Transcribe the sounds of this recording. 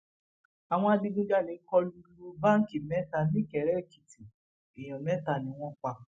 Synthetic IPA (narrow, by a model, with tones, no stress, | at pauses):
a˨w̃ɔ̃˧a˧di˧˦dũ˦d͡ʒa˦˨le˨˦kɔ˧lu˧˦lu˧ba˦ŋ̩˦ki˨mɛ˦ta˧nĩ˦˨kɛ˨ɾɛ˨˦˨ki˨ti˨ | i˨j̃ɔ̃˨mɛ˦ta˧˨nĩ˧˦w̃ɔ̃˦k͡pa˧